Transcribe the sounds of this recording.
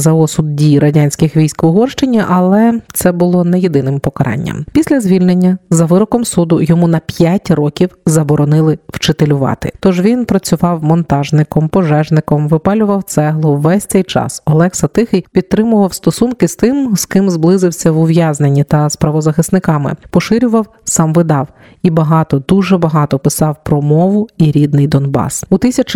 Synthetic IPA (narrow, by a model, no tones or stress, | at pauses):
zɐɔsʊd̪̚dʲijɾɐdʲanʲsʲkɪxʋʲijsʲkɔʋɔɦɔrʃt͡ʃɪnʲiʔɐlˠɛt̪sɛbʊlˠɔnɛjed̪ɪnɪmpɔkɐɾʔɑ̰nʲːɐ̰mpʲisʲlʲɐzʲʋʲilʲnenʲːɐzɐʋɪɾɔkɔmsud̪ʊjɔmunɐpʲjatʲrɔkʲiwzɐbɔɾɔnɪlˠɪwt͡ʃet̪elʲʊʋɑ̰t̪ɪ̰t̪ɔʒʋʲinpɾɐt͡sʲʊʋɑwmɔnt̪ɑʒnɪkɔmpɔʒɛʒnɪkɔmʋɪpɑlʲʊʋɐwt̪sɛɦlˠʊwːɛsʲtt͡s̪ɛjt͡ʃɑ̰sɔlˠɛxsɐt̪ɪxɪjpʲid̪̚t̪ɾɪmʊʋɐwst̪ɔsunkɪst̪ɪmzkɪmzblˠɪzɪwsʲɐʋʊʋʲjaznenʲːit̪ɐspɾɐʋɔzɐxɪsnɪkɑmɪ̰pɔʃɪɾʲʊʋɐw | sɑmʋɪd̪ɑw | ibɐɦɑt̪ɔd̪uʒɛbɐɦɑt̪ɔpɪsɑwpɾɔmɔʋʊiɾʲid̪nɪjd̪ɔnbɑ̰sut̪sʲɐt͡ʃ